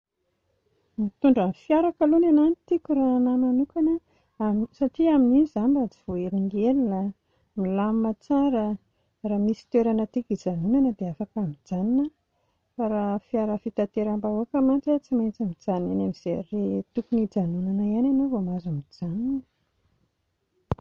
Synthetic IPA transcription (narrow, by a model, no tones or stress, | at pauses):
mit̪uɳɖ͡ʐanfjaɾakalunananit̪ikʲuranamanukanə | amsaʈ͡ʂiaminizambad͡ziv̥oeɾiŋɡelila | milammat͡saɾə | ramisi̥t̪weɾanət̪ikid͡zanunanəd̪eafakamid͡zaninə | faɾafiaɾəfit̪at̪eɾambauakəmantat͡simajnt͡samid͡zananamiz̥eret̪ukunid͡zanunanəiananovomazamid͡zaninə